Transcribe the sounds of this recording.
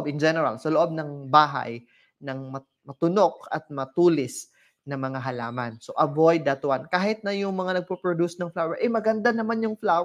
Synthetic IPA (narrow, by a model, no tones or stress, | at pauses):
bɪnd͡ʒɛnɛɾa̰lsɐloʔo̞b̚nɐŋbaːɦa̰j | nɐŋmɐ | mɐt̪ʊno̞k̚ɐt̪̚mɐt̪uːlɪs | nɐŋmɐŋaɦɐlaːmɐnsoʔɐvojd̪ːɐt̪ʊwankaːhɪt̪̚nɐjʊŋmɐŋanɐɡ̚popɹod̪usnɐŋflaːwɛɹʔɛjmɐɡɐnd̪anɐmanjʊŋflaw